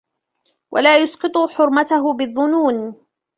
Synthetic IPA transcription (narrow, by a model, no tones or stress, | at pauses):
wʔa̰laːjʊsqɨt̪ˤʊħʊɾˤmat̪aɦʊbɪðˤːʊnuːn